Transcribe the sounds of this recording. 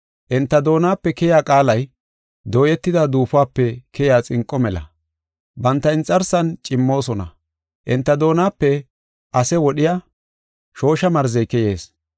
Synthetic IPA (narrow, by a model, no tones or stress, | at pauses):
ʔɪnt̪ːɐd̪o̞ːnaːpːɛkɛjaːkʼaːlɐj | d̪o̞ːjɛt̪ːɪd̪ad̪uːfʊaːpːɛkʰɛjaːt͡sʼɪŋkʼːɔmɛlɐ̰ | bɐnt̪ːɐɪnt͡sʼːɐɾsɐnt͡ʃʼɪmːo̞ːsɔnɐ̰ | ʔɪnt̪ːɐd̪o̞ːnaːpːɛ | ʔɐsɛwɔɗɪjaː | ʃo̞ːʃɐmɐɾzɛjkɛje̞ːs